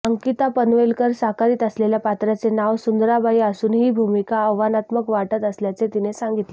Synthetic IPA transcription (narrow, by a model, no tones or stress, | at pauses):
əŋkit̪apənʋelkəɾsakaɾiːt̪əsleljapat̪ɾat͡senaʋsund̪ɾabaiasuːnɦiːbʱumikaəʋʋanat̪məkʋaʈət̪əsljat͡set̪inesaŋɡit̪le